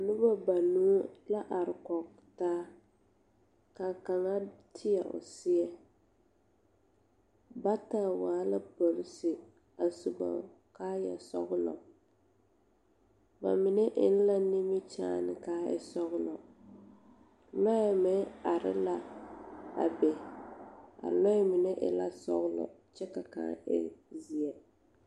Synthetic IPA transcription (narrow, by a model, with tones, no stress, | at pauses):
nu˦ba˦ba˨nu˦la˦ʔa˨ɾɪ˨kɔ˨k | taː˦ | ka˨ka˨ŋa˦tʰɪ˦jɛ˨ʔʊ̰˨sɪ˦ɛ˦ | ba˦taː˦waː˨˦la˦bo˨lɪ˦sɪ˨ | a˨su˨ɡ͡ba̰˨ | kaː˦jɛ̰˨sɔ̰˦ɣʊ˦lɔ̰˨ | ba̰˨mɪ˨nɛ˦ʔɪ˦n̩˦la˦ni˦mɪ˦t͡ʃaː˨nɪ˨kaː˦ɛ̰˦sɔ˦ɣʊ˦lɔ˨ | lɔ˦ɛ˨mɛ˦a˨ɾɪ̰˦la˦ | a̰˨bɛ˨ | a̰˨lɔ˦ɛ˦mɪ˨nɛ˦ʔɪ̰˦la˦sɔ̰˦ɣʊ˦lɔ̰˨t͡ʃɛ˦ka˨ka̰ː˦ɛ̰˦zi˨ɛ˨